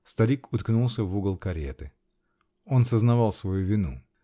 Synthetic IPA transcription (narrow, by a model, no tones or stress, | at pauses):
st̪ɐɾʲikʊt̪knulˠsʲəvuɡəlˠkɐɾʲet̪ɨ | o̞nsəznɐvɑlˠsvɐjuvʲɪnṵ